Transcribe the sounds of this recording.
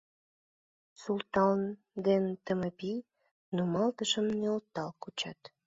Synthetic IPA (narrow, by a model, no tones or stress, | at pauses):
sult̪ɑn | d̪ent̪əməpi | nomɑlt̪əʃəmneolt̪ːɑlkut͡ɕɑt̪